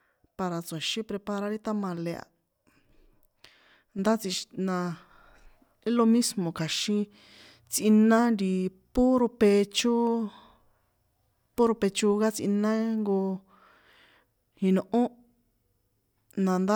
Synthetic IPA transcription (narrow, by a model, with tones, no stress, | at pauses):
pa˧ɾa˨t͡sẽ˨ʃĩ˦pɾe˧pa˧ɾa˧˦ɾi˦t̪a˦mã˧le˧a̰˨ | nd̪a˦t͡si˧nã˧ | i˦lo˧mĩ˦smõ˨ka˨ʃĩ˦ | t͡si˧nã˦nɾi˧pu˦ɾu˧pe˧t͡ʃu˦ | pu˦ɾu˧pe˧t͡ʃu˧ɣa˦t͡sḭ˧nã˦ŋɡo˧ | hĩ˧nũ˧˨ʔõ˦ | nã˨˧nd̪a˦